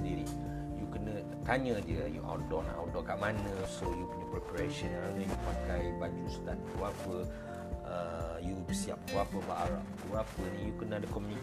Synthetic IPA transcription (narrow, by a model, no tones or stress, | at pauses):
diɾi | jukənə̃ | t̪aɲə̃diəjṵʔa̰dɔna̰wdɔkaʔmanə̃sojukənəpɾɛpaɾeʃənɾaŋə̃jupakajbaɲd͡ʒusk̪anuapə | əjubəsia̰p̚uapəbaʔaɾa̰ʔtuapənĩjukənədəkɔmjuni